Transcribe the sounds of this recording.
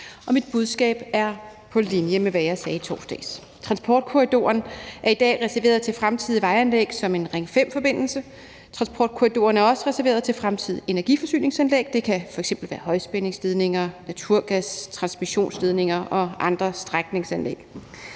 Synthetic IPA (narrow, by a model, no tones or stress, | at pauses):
ʔɒ̽mid̥̚b̥uð̞ˠsɡ̥ɛ̰ːb̥æɐ | pʰɒ̽linjəmeʋæjɑ̈ɪsɛːit͡sʰɒ̰ːsd̥ɛ̰ːs | t͡sʰʁɑ̈nsb̥ɒːd̥̚kʰuʁid̥o̝̰ːɐnʔæɐid̥ɛ̰ːʁɛsæɐʋe̝̰ːɐð̞ˠt͡sʰe̝lfʁamt͡sʰið̞̰ˠiʋɑ̈ɪænlḛɡ̥sɒ̽me̝nʁeŋəfem̰fɒ̽b̥e̝n̰l̩sə | t͡sʰʁɑ̈nsb̥ʰɒ̰ːd̥̚kʰuʁid̥o̝̰ːɐnæɐɒ̽səʁɛsæɐʋe̝̰ːɐð̞̩ˠt͡sʰe̝lfʁamt͡sʰið̞̰ˠie̝næɐɡ̥ifɒ̽sy̰ːne̝ŋsænleːɡ̥̚d̥e̝kʰæfɒ̽eɡ̥semb̥l̩ʋæːɐhɒ̽ɪsb̥ene̝ŋsd̥ið̞ˠne̝ŋɐnæt͡sʰuɐ̰ɡ̥æst͡sʰʁɑ̈nsmiɕo̝̰ːnsd̥ið̞ˠne̝ŋɐɒ̽ʔɑ̈nd̥ʁɐsd̥ʁaɡ̥̚ne̝ŋsænlḛɡ̥